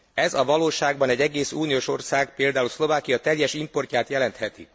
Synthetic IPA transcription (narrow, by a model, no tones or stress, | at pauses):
ɛzɒvɒloːʃaːɡ̚bɒnɛɟɛɡeːsuːnijoːʃo̞rsaːɡpeːld̪aːulslo̞vaːkijɒt̪ɛjɛʃimpo̞rcaːt̪jɛlɛnt̪hɛt̪ḭ